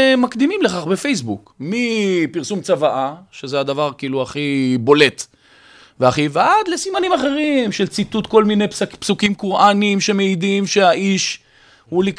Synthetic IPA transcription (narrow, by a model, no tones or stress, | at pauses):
makd̪imimleχaχbefejs̬bukmipiʁsumt͡savaʔaʃe̞zead̪avaʁkiiːluaχibo̞le̞t̪ | veaχivad̪lesimanimaχe̞ʁimʃe̞lt͡sit̪ut̪ko̞lmine̞jpsukimkoʁʔanimʃe̞meid̪imʃeaʔiʃ | hulik